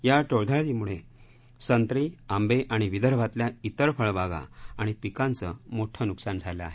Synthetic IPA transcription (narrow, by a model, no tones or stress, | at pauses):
jaʈoɭd̪ʱaɭlimuɭe | sənt̪ɾiambeʔaɽ̃iʋid̪əɾbʱat̪ljait̪əɾfəɭbaɡa̰aɽ̃ipikãnt͡səmoʈʰənuksand͡zʱaləa̰ɦe